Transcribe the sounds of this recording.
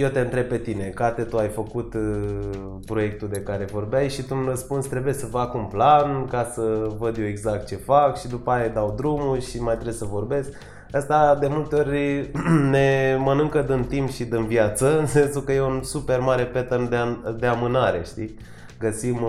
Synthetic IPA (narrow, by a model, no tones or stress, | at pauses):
je̞wt̪e̞ɨnt̪ɾe̞b̚pe̞t̪ine̞kat̪et̪uajfəkut̪ | pɾo̞je̞k̚t̪ud̪e̞kaɾe̞vo̞rbeajʃit̪uunrəspunst̪ɾe̞bujesəfakunplankasəvəd̪joweɡzak̚t̪̚t͡ʃe̞fakʃid̪upajajd̪awd̪ɾumuʃimajt̪ɾe̞səvo̞rbe̞sk | əst̪ad̪e̞mult̪e̞o̞rʲ | ne̞mənɨŋkəd̪ɨnt̪impʃid̪ɨnvjat̪səɨnse̞nsukəje̞unsupe̞rmaɾe̞pe̞t̪ənd̪ead̪e̞amɨnaɾe̞̰ʃt̪i | ɡəsim